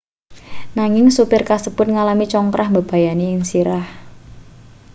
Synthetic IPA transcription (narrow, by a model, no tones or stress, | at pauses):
naŋɪŋsupɪrkasəb̥ʊt̪̚ŋalamit͡ʃɔŋkɾʔahmbəb̥a̤janiɪŋsiɾah